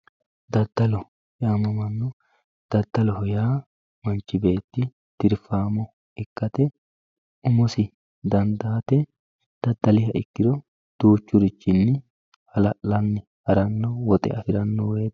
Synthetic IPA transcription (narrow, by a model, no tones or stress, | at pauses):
d̪ɐd̪ːɐlɔ | jaːmɐmɐnːɔ | d̪̥ɐd̪ːɐlɔhɔjaː | mɐnt͡ʃːɪbe̞ːt̪ːɪ | d̪̥ɪɾfaːmɔ | ɪkːɐt̪ɛ | ʊmɔsɪ | d̪ɐnd̪aːt̪ɛ | d̪̥ɐd̪ːɐlɪɦɐʔɪkːɪɾɔ | d̪̥uːt͡ʃːʊɾɪt͡ʃːɪnːɪ | hɐlɐlɐnːɪ | hɐɾɐnːɔwɔt̪ʼɛ̰ɐfɪɾɐnːɔweː